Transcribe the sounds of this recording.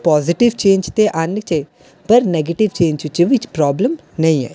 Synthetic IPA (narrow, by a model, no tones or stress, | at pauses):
pɔːzɪʈɪʋt͡ʃẽːnd͡ʒt̪eʔaːnɪk̚t͡ʃe | pɐɾneːɡeʈiʋt͡ʃẽːɲd͡ʒut͡ʃiʋit͡ʃpɾɔːbləm | nɐɦĩɛ̰ː